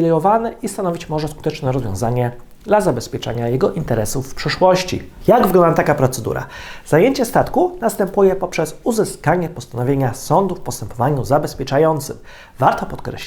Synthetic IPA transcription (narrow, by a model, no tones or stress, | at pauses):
lɛjɔvanɛʔist̪anɔvʲit͡ɕmɔʐɛsku̥t̪ɛt͡ʂnɛɾɔzvʲjɔ̰̃zaɲɛ | d̪lazabɛspʲɛt͡ʂɛ̰ɲajɛɡɔʔint̪ɛɾɛsufːpʂɘʂwɔɕt͡ɕḭjaɡvɡlɔnd̪at̪akapɾɔt̪sɛd̪ṵɾa̰zajeɲt͡ɕɛst̪at̪kunast̪ɛmpujɛpɔpʂɛsuzɘskaɲɛpɔst̪anɔvʲjeɲasɔnd̪ufpɔst̪ɛmpɔvaɲuzabɛspʲjɛt͡ʂajɔnt̪sɘx | vaɾt̪ɔpɔt̪kɾɛ̰ɕ